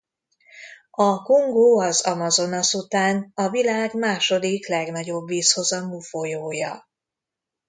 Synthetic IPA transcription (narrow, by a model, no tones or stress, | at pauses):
ɒkuŋɡoːɒzɒmɒzo̞nɒsut̪aːnɒvilaːɡmaːʃo̞d̪iklɛɡnɒɟo̞bviːsho̞zɒmufo̞joːjɒ